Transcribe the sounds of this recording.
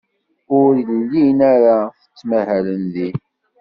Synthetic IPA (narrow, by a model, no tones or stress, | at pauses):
ʊɾlənlinæɾaθə̥t͡sːmæhælənði